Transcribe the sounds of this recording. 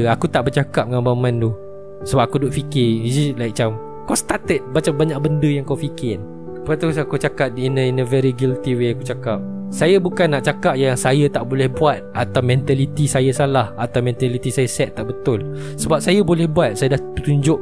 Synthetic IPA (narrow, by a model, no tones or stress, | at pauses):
akut̪aʔbərt͡ʃakap̚ŋãmbamãndu | səbap̚akudoʔfikɪid͡ʒislajk̚t͡ʃam | kɔst̪at̪ət̪̚bat͡ʃambaɲaʔ̚bəndəjaŋkawfikɪn | pat̪usakut͡ʃakap̚inəinəvɛɾiɡilt̪iweakut͡ʃakap̚ | sajabukanːaʔt͡ʃakap̚jaŋsajat̪aʔbolɛhbuat̪̚ʔat̪awmɛ̃nt̪alit̪isajasalahat̪awmɛ̃nt̪alit̪isajasɛt̪ːaʔbət̪ʊl | səbap̚sajabolɛhbuat̪̚sajadahpət̪uɲd͡ʒʊʔ̚